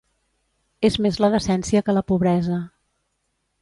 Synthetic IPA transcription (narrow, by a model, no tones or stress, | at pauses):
ezmezləðəsɛnsiəkələpuβ̞ɾɛzə